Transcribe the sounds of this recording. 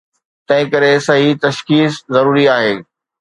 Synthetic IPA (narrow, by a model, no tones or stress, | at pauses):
t̪ɐ̃ɦɪ̃kɐɾesɐɦit̪ɐʃkiːszɐɾuːɾiaːɦeː